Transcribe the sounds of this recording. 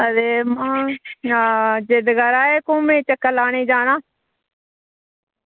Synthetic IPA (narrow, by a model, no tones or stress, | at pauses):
əd̪eːmãː | d͡ʒeːd̪ɡəɾaːeːkõːmẽːt͡ʃəkːəlaːɳeːd͡ʒaːnãː